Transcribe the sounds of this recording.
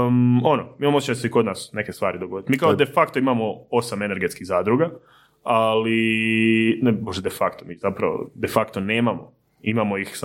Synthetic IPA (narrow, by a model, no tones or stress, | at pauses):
onomiːmamot͡ɕeseiko̞d̪nasne̞ke̞st̪ʋaːɾid̪oɡo̞d̪it̪miːkaod̪e̞fakt̪oimamoo̞same̞ne̞ɾɡe̞t̪kiɣzaːd̪ɾuɡa | ali | neboʒd̪ed̪efakt̪omiːzapɾa̰ʋo̰d̪e̞fakt̪oneːmamo̰ | imamoixs